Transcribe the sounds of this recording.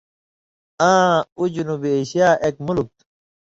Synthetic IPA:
ãːud͡ʑunubieːɕijaːʔekmulk̚t̪

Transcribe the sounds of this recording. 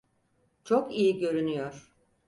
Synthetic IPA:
t͡ʃʰokijiɟø̞ɾynyjɔɾ̥

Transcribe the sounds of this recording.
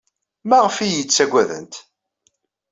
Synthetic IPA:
mæʁəfijət͡sːæɡʷæðə̰nt̪

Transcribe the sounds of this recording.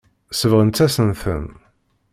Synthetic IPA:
səvʁənt͡s̪ːæsənθə̰n

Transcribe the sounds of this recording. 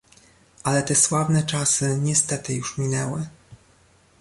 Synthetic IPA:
ʔalɛt̪ɛswavnɛt͡ʂasɘɲɛst̪ɛt̪ɘjuʂmʲinɛwɘ

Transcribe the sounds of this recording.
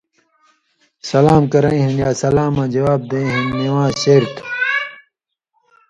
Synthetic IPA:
sɐlaːmkɐɾɐ̃ĩɦinjaːsɐlaːmãːd͡ʑɐwaːb̚d̪ẽĩɦinːiwãːɕeːɾt̪ʰ

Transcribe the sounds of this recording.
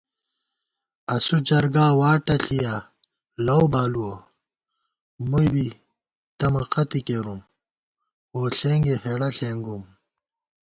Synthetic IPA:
ɐsud͡ʑɐɾɡaːwaːʈɐɬija | lɐwbaːluwo | mujbi | t̪ɐmɐqɐt̪ikeɾum | oːɬeŋɡeheɽɐɬeːŋɡum

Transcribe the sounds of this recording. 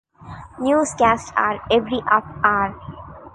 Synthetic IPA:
njuːsɡæsʈa̰ːɾeʋɾiʔapaːɾ

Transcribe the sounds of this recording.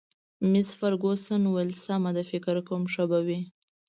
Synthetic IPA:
mɪsfaɾɡosənwalsamad̪afɪkɾkəwmʂəbawi

